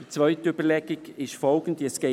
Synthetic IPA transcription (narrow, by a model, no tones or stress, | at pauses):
d̥it͡svœʏtəybəlɛɡ̥ɪɡ̥ɪʃfɔlɡ̥n̩diəsɡ̥e